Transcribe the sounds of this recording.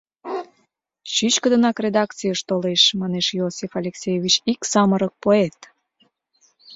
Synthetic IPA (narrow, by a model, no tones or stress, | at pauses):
ɕyt͡ɕkəd̪ənɑkrʲed̪ɑkt͡sijəʃt̪oleʃmɑneʃjosʲifalʲeksʲejevʲit͡ɕiksɑməɾək̚poet̪